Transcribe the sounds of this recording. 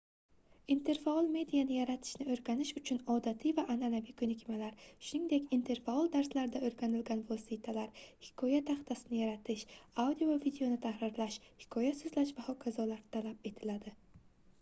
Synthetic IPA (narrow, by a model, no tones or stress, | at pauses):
int̪ʰe̞ɾfaɒlˠme̞d̪ijanɪjaɾat̪ʰɪ̥ʃnɪoɾɡʲanɪʃʊt͡ʃʰʊnɒd̪at̪ʰivaʔananavikʰɵnɪkʲmalaɾʃʊnɪŋd̪e̞kʲint̪ʰe̞ɾfaɒlˠd̪aɾslaɾɪd̪aɵɾɡʲanɪlɡʲanvosit̪ʰalaɾhɪ̥kʰɒjat̪ʰaχt̪ʰasɪnɪjaɾat̪ʰɪʃawd̪ijovid̪eo̞nɪt̪ʰahɾɪɾlaʃhɪ̥kʰɒjasɵzlaʃbahɒkʰazɒlaɾt̪ʰalap̚e̞t̪ʰɪlad̪ɪ